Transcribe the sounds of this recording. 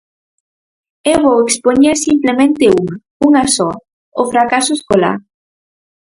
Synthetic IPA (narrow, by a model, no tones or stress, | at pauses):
eβowekspoɲiasimplemẽnt̪euŋa | uŋasɔ | ofɾakasoeskola̰ɾ